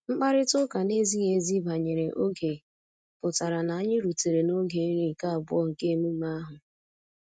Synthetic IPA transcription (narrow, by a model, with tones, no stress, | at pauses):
ŋ͡m̩˦k͡pa˦ɾɪ˦tʊ˦ka˨ne˦zi˦ɲe˨zi˦ba˨ɲe˨ɾe˨ʔo˦ɡe˨ | pʊ˨ta˨ɾa˨na˨a˦ɲɪ˦ɾu˨te˨ɾe˨no˦ɡe˨˦ɾi˦˨ka˦a˨bʊ˦ɔ˦ŋ̩˨ke˦mu˦ma˦ɦʊ˨